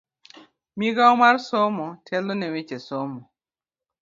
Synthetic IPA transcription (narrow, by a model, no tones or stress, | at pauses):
miɡaɔmarsɔmɔtʰɛlɔnɛwet͡ʃesɔmɔ